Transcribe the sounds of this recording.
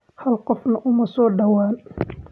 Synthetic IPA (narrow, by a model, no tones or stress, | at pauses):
hɐlqɔfnɐʔʊmɐsɔːɖɐwaːn